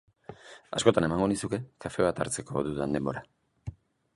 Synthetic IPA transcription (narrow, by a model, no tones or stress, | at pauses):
a̰sko̞t̪ane̞maŋɡo̞nisuke̞kafe̞β̞at̪a̰ɾt͡se̞ko̞̰ðuðand̪e̞mbo̞ɾa